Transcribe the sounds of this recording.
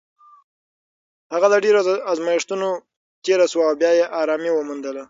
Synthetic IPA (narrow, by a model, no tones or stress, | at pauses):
haɣad̪əɖeɾoɑzmɑjɪʂt̪uno | t̪eɾaswaːwbjɑjeʔɑɾɑmiwəmund̪əla